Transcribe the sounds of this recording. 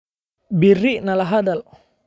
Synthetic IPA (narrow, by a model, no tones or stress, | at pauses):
biriʔnalaɦadal